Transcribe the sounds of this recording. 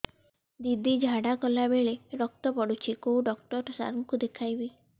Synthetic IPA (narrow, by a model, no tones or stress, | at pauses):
d̪id̪ʱid͡ʒʱaɽakɔlabeɭeɾɔkt̪ɔpɔɽut͡ʃʰikouɖɔk̚ʈɔɾsa̰ɾmɔkud̪ekʰajbi